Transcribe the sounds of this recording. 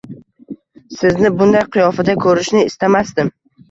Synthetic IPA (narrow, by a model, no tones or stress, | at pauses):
sɪznɪbʊnd̪ajqʰɨjɒfɪd̪akʰɵɾɪʃnɪːst̪amasd̪ɪm